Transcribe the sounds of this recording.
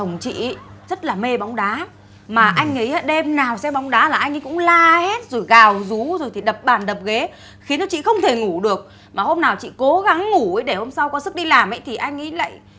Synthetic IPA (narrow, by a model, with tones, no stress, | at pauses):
ə˨˩wŋ͡mt͡ɕḭ˧˨˦zə˦˥t̚laː˨˩me˧ɓa˨˦wŋ͡mɗaː˨˦ | maː˨˩ʔa˧jŋ̟ŋḭ˨˦aː˧˩ɗe˧mnaː˨˩wsɛ˧ɓa˨˦wŋ͡mɗaː˨˦laː˨˩ʔa˧jŋ̟ə˨˦jkʊ̰˧˥ŋ͡mlaː˧he˦˥t̚zo˨˩jɣaː˨˩wzu˨˦zo˨˩jt̪ʰi˨˩ɗə˨˩p̚ɓaː˨˩nɗə˨˩p̚ɣe˨˦ | xi˨˦ənt͡ɕɔ˨˦t͡ɕḭ˧˨xə˧wŋ͡mt̪ʰe˧˩ŋu˧˩ɗɨ˨˩ək̚ | maː˨˩ho˧mnaː˨˩wt͡ɕḭ˧˨ko˨˦ɣa˨˦ŋːu˧˩ə˨˦jɗe˧˩ho˧msa˧wkɔ˨˦sɨ˦˥k̚ɗi˧laː˨˩mə˨˦jt̪ʰi˨˩ʔa˧jŋ̟ŋə˨˦jla̰ː˧˨j